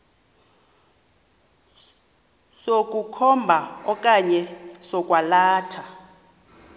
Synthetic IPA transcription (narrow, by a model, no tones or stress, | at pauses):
sokʼukʰɔmbʱaɔkʼaɲɛsɔkʼwalaːtʰa